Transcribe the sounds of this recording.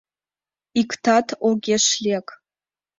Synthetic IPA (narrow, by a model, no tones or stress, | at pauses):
iktʰatʰoɡʲeʂlʲek